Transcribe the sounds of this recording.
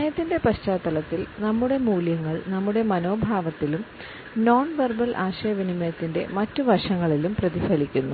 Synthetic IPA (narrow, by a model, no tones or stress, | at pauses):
ɐjɐt̪ːinde̞pɐɕt͡ɕaːt̪ːɐlɐt̪ːilnɐmːuɽe̞muːljɐŋːɐɭnɐmːuɽe̞mɐno̞ːbʱaːʋɐt̪ːilum | no̞ːnʋerbɐlʔa̰ːɕɐjɐʋinimɐjɐt̪ːinde̞̰mɐtːuʋɐʂɐŋːɐɭilumprɐðifɐlikʲːunːu